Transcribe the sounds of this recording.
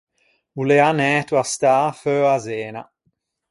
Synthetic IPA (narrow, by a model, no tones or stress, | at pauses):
uleanɛt̪wast̪aːføazɛːna̰